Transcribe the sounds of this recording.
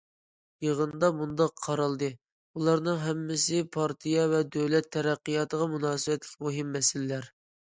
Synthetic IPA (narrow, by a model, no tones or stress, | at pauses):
jeʁənd̪ɑmund̪ɑqʰːɑɾɑlˠd̪ɨ | ulˠɑɾnɨŋɦɛmːɪsɪpʰɑɾt̪ʰijɑvɛd̪øwlɛt̪ʰːɛɾæqːijɑt̪ʰəʁɑmunɑːsɨbɛt̪lɪkʲmuɦimːɛsɪlɪlæɾ